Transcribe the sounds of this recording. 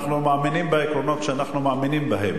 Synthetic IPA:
χnumaːminimbeekɾono̞t̪ʃeanaχnumaːminimbaɦem

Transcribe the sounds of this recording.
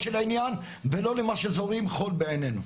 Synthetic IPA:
ʃelainjan | velo̞lemaʃezo̞ʁimχo̞lbeːnenu

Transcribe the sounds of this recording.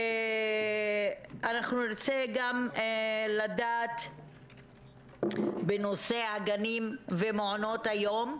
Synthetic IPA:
anaχnuniʁt͡seɡam | ladaːt̪ | beno̞seaɡanimvemeʕonot̪hajo̞m

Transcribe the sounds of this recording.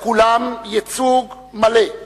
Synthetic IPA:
kulamjet͡suɡ | male

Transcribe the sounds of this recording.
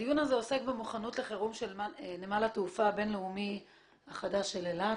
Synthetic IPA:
dijunazeo̞se̞kbemuχanutle̞χeʁumʃelmanemalatufabe̞nleumi | aχadaʃelela

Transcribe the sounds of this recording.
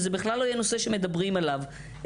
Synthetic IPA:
zebiχlalːojeno̞se̞ʃe̞me̞d̪abʁimalav

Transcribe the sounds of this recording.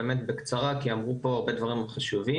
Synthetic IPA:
emet̪bekt͡saʁakiamʁupo̞aʁbe̞d̪vaʁimχaʃuvi

